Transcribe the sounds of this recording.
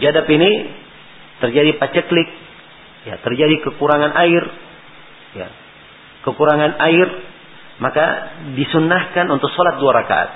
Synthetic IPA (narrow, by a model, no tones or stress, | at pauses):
d͡ʒadapini | t̪ərd͡ʒadipat͡ʃəklɪk̚ | jat̪ərd͡ʒadikəkuɾaŋanʔaɪr | ja̰ | kəkuɾaŋanaɪr | maka̰disunːahkanunt̪ʊk̚sɔlat̪̚duaɾaka̰a̰t̪̚